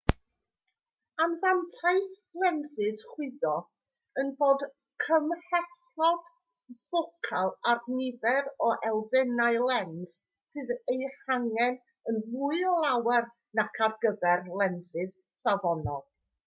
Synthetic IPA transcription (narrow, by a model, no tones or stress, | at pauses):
anðantʰaɨslˠɛnsɨsχwɪðɔ | ənboːd | kʰəmhɛθ | lɔd̥ | vokʰalˠarnɪvɛɾɔʔɛlˠðɛnaɨlˠɛns | sɨðejhaŋɛn | ənmuɨɔlˠawɛr | nakʰarɡəvɛrlˠɛnsɨs | savɔnɔ̰lˠ